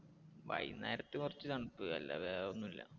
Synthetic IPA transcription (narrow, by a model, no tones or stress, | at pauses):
ʋɐ̰jnːaːiɾɐt̪ːɨkurɐt͡ɕːɨnɐɳɐpːɨɐlːɐ̰ʋeonːilːɐ̰